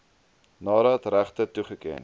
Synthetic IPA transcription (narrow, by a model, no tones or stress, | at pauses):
nɑːɾəɛtræχtətuχəkiən